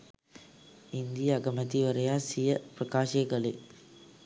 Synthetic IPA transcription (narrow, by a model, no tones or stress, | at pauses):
ind̪ijəɐɡɐmət̪iʋəɾəjaːsijəprɐkaːʃeɡɐlḛ